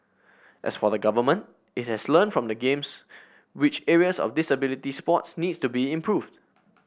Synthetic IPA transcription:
ʔɛ̰sfɔðəɡavəmə̃nt̚ | ɪt̚hɛslə̃nfɹɔ̃mdəɡẽms | wɪt͡ʃɛɹiəsɔ̰fdɪsəbɪlitispɔtsnidstubiɪ̃mpʰɹuvd

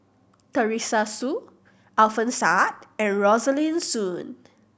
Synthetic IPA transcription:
təɹisasu | alfə̃nsat̚ɛ̃nɹɔzəlĩnsũn

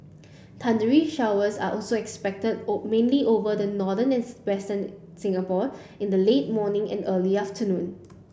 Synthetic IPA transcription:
tʰãndəɹiʃawəsa̰ʔɔlsoɛkspɛk̚tədmẽnliʔovədənɔdə̃nɛ̃nwɛstə̃n | sɪ̃ŋəpɔ | ɪ̃ndəleːt̚mɔːnɪ̃ŋɛ̰̃nəːliaftənũn

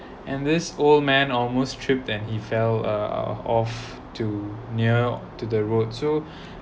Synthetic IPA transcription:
ʔɛ̃ndɪsold̚mɛ̃nɔlmostʰɹ̥ɪp̚tɛ̃nhifɛlʌ̰ɔf | tʰuniətudəɹotso

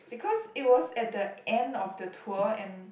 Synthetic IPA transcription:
b̥ikʰɔsit̚wɔsɛt̚dəɛ̃ndɔfdətʰuəɛ̃n

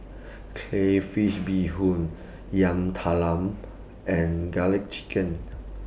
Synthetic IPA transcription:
kʰlefiʃbiɦũn | jãmt̪ʰalãm | ɛ̃nɡalik̚t͡ʃi̥kə̃n

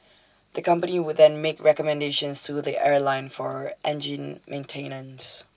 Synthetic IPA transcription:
ðəkʰʌ̃mpəniwʊd̪ðɛ̃nmeɪkɹɛkɔmɛ̃ndeʃə̃nstuðiʔɛɹlãɪ̃nfɔɹʔɛ̃nd͡ʒɪ̃nmʔẽntʰẽɪnə̃ns

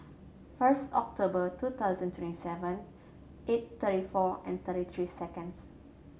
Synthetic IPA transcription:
fəstɔ̰k̚tʰobətut̪ʰaʊzə̃ntʰwɛ̃ntisɛvə̃n | ʔet̚t̪əɾifɔɛ̰̃nt̪əɾit̪ʰɹisɛkə̃ns

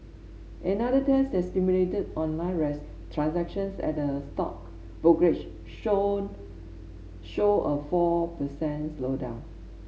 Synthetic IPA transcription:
ʔɛ̃nadətɛsɛstimjuletədɔ̃nlãɪ̃nɹɛs | tʰɹãnsɛkʃə̃nsɛ̰t̚dəstɔ̰k̚ | b̥okɹet͡ʃ | ʃoʔəfɔpəsɛ̃nslodã̰ʊ̃n

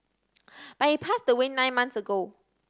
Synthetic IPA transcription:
b̥at̚hipʰasdəwɪ̃nːãɪ̃nmãnθsəɡo

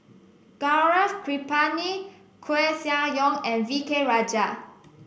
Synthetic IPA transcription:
ɡ̥aɹafkɹipani | kʰoesiãjɔ̃ŋɛ̃nvikeɹad͡ʒa

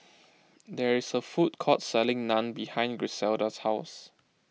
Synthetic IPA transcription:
dɛɹisəfut̚kʰɔtsɛlɪ̃ŋnãnbihãɪ̃nɡɹisɛldəshaʊs

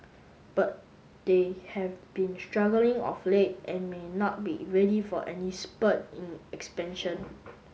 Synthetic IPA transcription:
b̥at̚ | d̥ehɛvbĩnstɹaɡəlĩŋɔ̰flet̚ʔɛ̃nmenɔt̚bḭɹɛdifɔʔɛnispətĩnɛkspɛ̃nʃə̃n

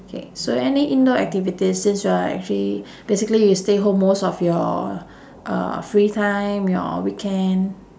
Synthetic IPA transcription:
okʰḛsoɛniʔĩndoɛ̰k̚tivitisːĩnsjuaɛ̰k̚t͡ʃəli | b̥esikəlijusteɦõmːosɔfjɔ̰ | ʔʌ̰fɹitʰãj̃mjɔ̰wikʰɛ̃n

